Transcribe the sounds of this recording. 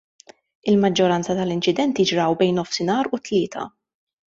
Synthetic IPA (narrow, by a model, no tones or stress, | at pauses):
ɪlmɐd͡ʒːɔɾɐnt͡sɐt̪ɐlɪnt͡ʃɪd̪ɛnt̪jɪd͡ʒɾɐwbɛjnːɔfsɪnɐːɾʊt̪lɪːt̪ʰɐ̰